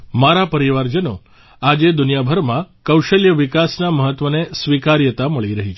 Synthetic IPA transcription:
maɾapəɾiʋaɾd͡ʒəno̰ | ad͡ʒed̪unijabʱəɾmãkəwʃəljəʋikasnaməɦət̪ʋənesʋikaɾjət̪aməɭiɾəɦit͡ʃʰ

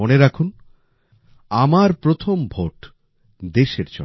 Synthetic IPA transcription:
oneɾakʰun | amaɾpɾot̪ʰombʱoʈ | d̪eʃeɾd͡ʑɔ̰

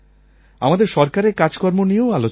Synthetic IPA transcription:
amad̪eɾʃɔɾkaɾekad͡ʑkɔɾmoniooalo

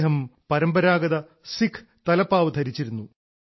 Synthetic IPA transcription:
ɦɐmpɐɾɐmbɐɾaːɡɐðɐ | sikʰ | t̪ɐlɐpːaːʋɐd̪ʱɐɾit͡ɕːiɾunːu

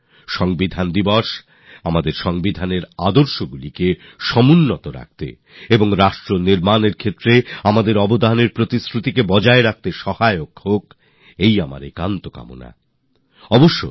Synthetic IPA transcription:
ʃɔŋbid̪ʱand̪ibɔʃ | amad̪eɾʃɔŋbid̪ʱaneɾad̪oɾʃoɡulike | ʃɔmunːot̪oɾa̰k̚t̪ḛ | eboŋɾaʃʈɾoniɾmaneɾkʰet̪ːɾeamad̪eɾɔbod̪ʱaneɾpɾot̪iskɾut̪ikebɔd͡ʑaeɾak̚t̪eʃɔhaeokhok | ejama̰ɾekant̪oka̰mo̰na̰ | ɔboʃːo̰

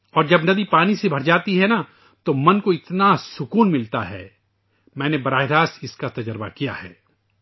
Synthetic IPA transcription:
ɔːɾd͡ʒɐbnɐd̪ipaːnisebʱɐɾd͡ʒaːt̪iɦɛna | t̪omɐnkoɪt̪nasʊkuːnmɪlt̪a̰ɦɛ̰ː | mɛ̃ːnebɐɾaːɦɪɾaːsɪskat̪ɐd͡ʒɾba̰kija̰hɛ̰ː

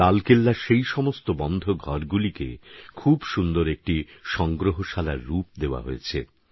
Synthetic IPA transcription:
alkelːaʃejʃɔmost̪obɔnd̪ʱoɡʱɔɾɡulikḛkʰubʃund̪oɾek̚ʈiʃɔŋɡɾoɦoʃala̰ɾːup̚d̪eoa̰ɦoet͡ɕʰḛ

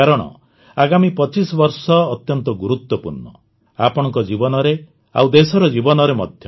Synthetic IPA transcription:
aɾɔɽ̃ɔ̰ | aɡamipɔt͡ʃisɔbɔɾsɔːt̪jɔnt̪ɔɡuɾut̪wɔpṵɾɳɔ̰ | apɔɽ̃ɔŋkɔd͡ʒibɔnɔɾe | a̰wd̪esɔɾɔd͡ʒibɔnɔɾemɔ̰d̪ʱjɔ

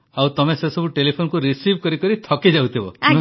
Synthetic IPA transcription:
awt̪ɔmesesɔbuʈelipʰonkuɾisibkɔɾikɔɾit̪ʰɔkid͡ʒawt̪ʰibɔa

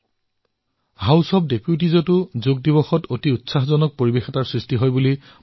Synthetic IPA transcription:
ɦawsɔp̚depjut̬izɔtʊzoɡ̚dibɔxɔtotiutsaɦzɔnɔk̚poɹibexɛtaɹsɹistiɦɔjbuli

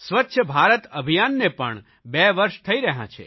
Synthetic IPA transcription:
sʋətːʃʰəbʱaɾət̪əbʱijanːepə̰ɳ | bɛʋəɾʃt̪ʰəiɾəɦã̰t͡ʃʰḛ

